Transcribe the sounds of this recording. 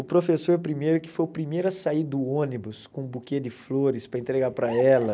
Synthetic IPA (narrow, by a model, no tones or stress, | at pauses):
ʊpɾofesoɾpɾimejɾʊkɪ̥fojʊpɾimejɾʊɐsaid̪ʊõnibʊskõbuked͡ʒɪfloɾɪspɾɐẽnt̪ɾeɡaɾpɾɐɛlɐ